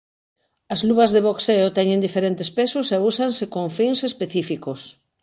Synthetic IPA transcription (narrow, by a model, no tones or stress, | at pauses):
ɐzluβɐzðeβ̞okseot̪ɛɲẽnd̪ifeɾent̪espesʊsɛusansekoŋfiŋsespeθifikos